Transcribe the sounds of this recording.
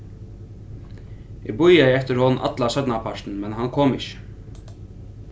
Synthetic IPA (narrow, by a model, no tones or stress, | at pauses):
ɛbʊjajɛft̪əɾhɔnʔɑ̰d̪lasœt̪napʰaʂt̪n̩mɛnɦankʰoːmɪçə̥